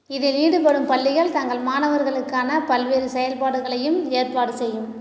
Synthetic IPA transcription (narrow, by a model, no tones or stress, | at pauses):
ɪðɯliːɽɯpɐɽɯmpɐɭːɪɣɐɭt̪ɐŋɡɐɭmaːnɐʋɐɾɣɐɭɯkːaːnɐpɐlʋeːɾɯsɛjɐlpaːɽɯɣɐɭɐjɯmeːɾpaːɽɯsɛjːɯm